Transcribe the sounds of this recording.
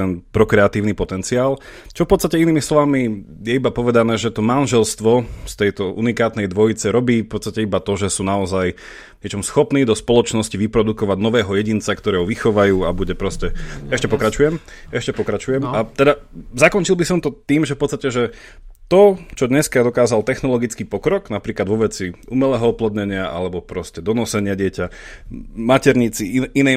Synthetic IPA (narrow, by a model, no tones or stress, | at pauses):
ɛnpɾɔkɾɛat̪iːʊnipɔt̪ɛnt͡siaːlt͡ʃɔfpɔt̪t͡sst̪acɛiniːmislɔʋamijɛibapɔʋɛd̪anɛːʒɛt̪ɔmanʒɛlst̪ʋɔst̪ɛjt̪ɔʔunikaːt̪nɛjd̪ʋɔjit͡sɛɾɔbiːfpɔt̪t͡st̪acɛibat̪ɔʒɛsuːnaɔzaj | ɲɛt͡ʃɔmsxɔpniːd̪ɔspɔlɔt͡ʃnɔsciʋipɾɔd̪ukɔʋaɟnɔʋɛːɦɔjɛɟint͡sakt̪ɔɾɛːɦɔʋixɔʋajuːabuɟɛpɾɔscɛɛʃcɛpɔkɾat͡ʃujɛm | ɛʃcɛpɔkɾat͡ʃujɛmat̪ɛd̪azakɔnt͡ʃilˠbisɔmt̪ɔt̪iːmʒɛfpɔtt͡st̪acɛʒɛ | t̪ɔt͡ʃɔd̪ɲɛskad̪ɔkaːzalt̪ɛxnɔlɔɡit͡skiːpɔkɾɔɡnapɾiːklad̪ʋɔʋɛt͡siumɛlɛːɦɔɔplɔd̪ɲɛɲɪaʔa̰lɛbɔpɾɔscɛd̪ɔnɔsɛɲɪaɟɪɛca | macɛɾɲit͡siinɛ